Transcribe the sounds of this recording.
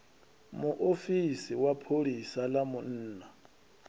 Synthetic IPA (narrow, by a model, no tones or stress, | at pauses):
mʊʔofisiwapʰolisalamʊn̩ːna